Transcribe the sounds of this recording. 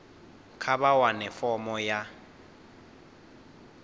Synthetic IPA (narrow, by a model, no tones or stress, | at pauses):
kʰabawanɛfɔmɔja